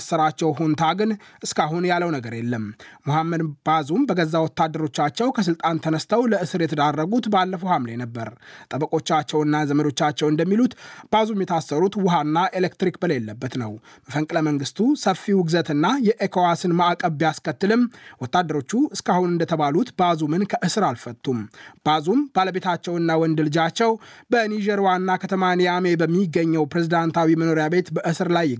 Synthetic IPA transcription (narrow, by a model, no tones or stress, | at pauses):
sːəɾat͡ʃːɛwɦont̪ʰaɡɨnʔɨskaɦunjalːəwnəɡəɾjɛlːəmmuhamːəd̪b̥azumbəɡəzːawɔt̪ːad̪ːəɾo̞t͡ʃːat͡ʃːɛwkʰəs̬ɨlt̪ʼant̪ʰənəst̪ʰəwləʔɨsɨɾjɛt̪ʰəd̪arːəɡut̪balːəfəhamlenəbːəɾt̪ʼəbəkʼo̞t͡ʃːat͡ʃːɛwɨnːazəməd̪o̞t͡ʃːat͡ʃːɛwɨnd̪əmːilut̪b̥azumjɛt̪ʰasːəɾut̪wʊɦanːaʔelekt̪ɾikbəlejɛlːəbːət̪nəwməfəŋkʼɨləməŋɡɨst̪ʰusəfːiwʊɡzət̪ɨnːajɛʔekʰowasɨnmaakʼəβjaskʰət̪ːɨlɨmwɔt̪ːad̪ːəɾo̞t͡ʃːuɨskʰahunɨnd̪ət̪ʰəβalut̪bazumɨnkʰəʔɨsɨɾalfət̪ʼːumb̥azumb̥aləbe̞t̪ʰat͡ʃːɛwɨnːawɔnd̪ɨld͡ʒat͡ʃːɛwbənid͡ʒɛɾwanːakʰət̪ʰəmanjame̞bəmːiɡːəɲːɛwpɾe̞zid̪ant̪ʰawiməno̞ɾjabe̞t̪bəʔɨsɨɾlajː